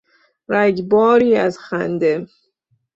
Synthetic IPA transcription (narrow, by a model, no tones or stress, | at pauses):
ɾæɡbɒːɾiːæzxæ̰nd̪em